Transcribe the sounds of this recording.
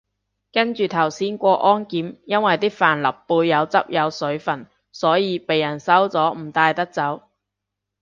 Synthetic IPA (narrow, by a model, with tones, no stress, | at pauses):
kɐ˥nt͡ʃyː˨t̪ʰɐ˨˩wsiː˨˥nkʷɔː˧ʔɔː˥nkiː˨˥mjɐ˥nwɐ˨jt̪iː˥faː˨˩nlɐ˨˩pːuː˧jːɐ˨˧wt͡sɐ˥p̚jɐ˨˧wsɵ˨˥ɥfɐ˨˩n | sɔː˨˥jiː˨˧pe˨jːɐ˨˩nsɐ˨˥wt͡sɔː˨˥m̩˨˩t̪aː˧jt̪ɐ˥k̚t͡sɐ˨˥w